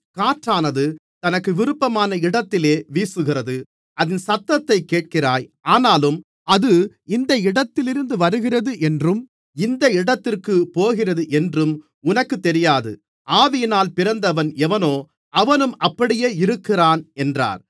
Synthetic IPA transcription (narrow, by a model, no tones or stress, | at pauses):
kaːʈraːnɐðɯt̪ɐnɐkːɯʋɪɾɯpːɐmaːnɐɪɽɐt̪ːɪleːʋiːsɯɣɪrɐðɯ | ɐðɪnsɐt̪ːɐt̪ːɐɪkːeːʈ̚kɪraːjaːnaːlɯm | ɐðɯ | ɪnd̪ɐɪɽɐt̪ːɪlɪɾɯnd̪ɯʋɐɾɯɣɪrɐðɯʔɛndrɯm | ɪnd̪ɐɪɽɐt̪ːɪrkɯpoːɣɪrɐðɯʔɛndrɯm | ʊnɐkːɯt̪ːɛɾɪjaːðɯ̰ | ʔaːʋɪjɐnaːlpɪɾɐnd̪ɐʋɐnɛʋɐnoː | ɐʋɐnɯmɐpːɐɽɪjeːɪɾɯkːɪraːnɛndra̰ːɾ